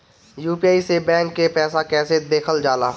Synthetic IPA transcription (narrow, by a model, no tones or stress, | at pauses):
juːpiaːisebɛ̃ːŋkːepɛːsakɛːsed̪eːkʰəld͡ʒaːlaː